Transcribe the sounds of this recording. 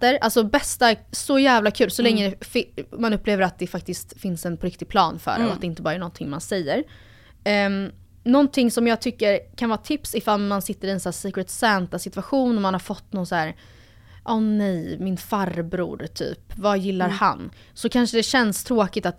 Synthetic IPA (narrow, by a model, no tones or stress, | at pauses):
əɾʔalsɔbɛst̪asɔjæːvlakʰʉ̟ːlsɔlɛŋːəd̪ɛfɪmanɵpːleːvəɾat̪̚d̪ɛfak̚t̪ɪst̪fɪnsɛnpʰɔɾɪk̚t̪ɪɡ̚pʰlɑːnfœ̰ɾ̰ɔa̰t̪̚d̪ɛɪnt̪əbɑːɾaæɳɔnt̪ʰɪŋmansɛjːəɾ | nɔnt̪ʰɪŋsɔmjɑːɡ̚t̪ʰʏkːəɾkʰanvɑːt̪ʰɪpsɪfalmansɪt̪ːəɾɪɛnsæːsiːkɾət̪sɛnt̪asɪt̪vaɧuːnɔmanhaɾfɔt̪ːnɔnsæːɾ | ʔɔːnɛjmɪnfaɾbɾṵːɾt̪ʰy̰ːpvajɪlːaɾha̰n | sɔkʰanʂəd̪ɛɕɛnst̪ʰɾoːkɪt̪at̪